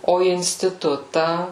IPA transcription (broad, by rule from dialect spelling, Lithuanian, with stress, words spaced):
oː ɪnʲsʲtʲɪˈtʊtɑː